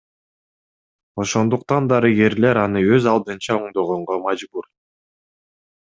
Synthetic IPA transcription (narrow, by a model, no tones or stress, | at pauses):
o̞ʃo̞nd̪uq̚t̪ɑnd̪ɑɾiɡe̞ɾle̞ɾɑnɯøzɑlˠd̪ɯnt͡ʃɑoɴd̪o̞ʁo̞ɴʁo̞mɑd͡ʒbuɾ